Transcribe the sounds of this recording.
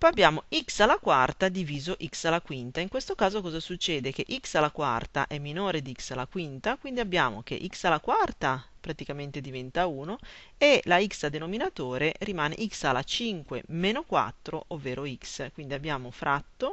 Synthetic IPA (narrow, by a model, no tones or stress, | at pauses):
pɔabːjaːmoiksalakwart̪ad̪iviːzoʔiksalakwint̪aiŋkwest̪okaːzokɔːzasut͡ʃːɛːd̪ek̟eʔiksalakwa̰rt̪a̰ʔɛmːinoːɾed̪iiksalakwint̪akwind̪iabːjaːmo̰k̟ḛʔiksalakwart̪apɾat̪ikament̪ed̪ivɛnt̪auːno | elaiksad̪enominat̪oːɾerimaːnḛʔiksalat͡ʃiŋkwḛmeːnokwa̰t̪ːɾoʔovːeːɾoikskwind̪iabːjaːmofɾʔat̪ːo